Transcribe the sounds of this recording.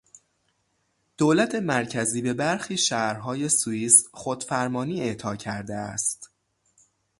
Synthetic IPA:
d̪̥oːlæt̪ʰe̞mæɾcʰæziːbe̞bæɾxiːʃæːɾɦɒːje̞suiːsxod̪̥fæɾmɒːniːe̞ʔt̪ʰɒːcʰæɾd̪eæ̰st̪

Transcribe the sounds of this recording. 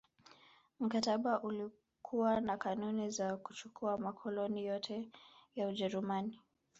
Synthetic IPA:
m̩kataɓaʔuli | kʰuwanakanunizakut͡ʃukʰuamakʰɔlɔnijɔtʰɛjauʄɛɾumani

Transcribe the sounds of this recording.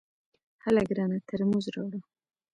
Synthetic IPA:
halaɡɾɑnat̪ʰəɾmuzɾoɽa

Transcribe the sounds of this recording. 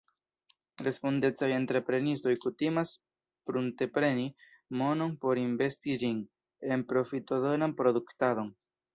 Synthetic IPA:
ɾe̞sponde̞t͡saje̞ntɾe̞pɾe̞nisto̞jkutimas | pɾunte̞pɾe̞ni | mo̞no̞npo̞ɾinve̞stid͡ʒin | e̞npɾo̞fito̞donanpɾo̞duktado̞n

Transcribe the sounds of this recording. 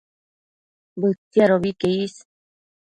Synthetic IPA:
bɨt̪ːiaɾoβikeis

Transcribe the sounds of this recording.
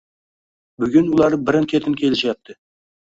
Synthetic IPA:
bʏɡʲɪnwʊlˠɑɾbɪɾɪnkʲʰe̞t̪ɪnkʲʰe̞lʒjɑp̚t̪ːɪ

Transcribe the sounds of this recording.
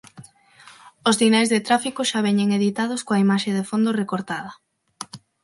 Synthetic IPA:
ʊzðinajzðet̪ɾafikʊʃaβ̞ɛɲeŋeðit̪að̞oskoɐimaʃeðefond̪orekoɾt̪að̞ɐ

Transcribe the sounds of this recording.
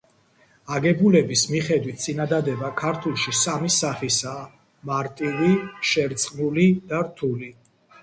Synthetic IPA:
aɡɛbulɛbismiχɛd̪wit̪̚ʰt̪sʼinad̪ad̪ɛbakʰaɾt̪ʰulˠʃisamisaχisaː | maɾt̪ʼiviʃɛɾt̪sʼqʼnulid̪̥aɾt̪ʰuli

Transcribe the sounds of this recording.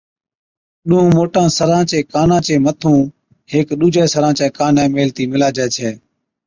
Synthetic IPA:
ɗʊɦũːmoːʈãːsəɾãːt͡ʃeːkaːnãːt͡ʃeːmət̪ʰũː | heːkɗuːd͡ʒʱeːsəɾãːt͡ʃẽːkaːnɛ̃ːmeːlt̪iːmɪlaːd͡ʒɛːt͡ʃʰeː

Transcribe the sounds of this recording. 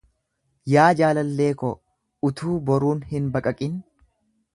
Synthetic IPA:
jaːd͡ʒaːlɐlːeːkɔ | ʊt̪ʰuːbɔɾuːnhɪnbɐkʼɐkʼɪn

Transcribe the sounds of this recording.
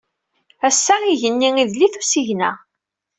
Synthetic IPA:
æsːæiʝənːiŋiðliθusiʝnæ̰

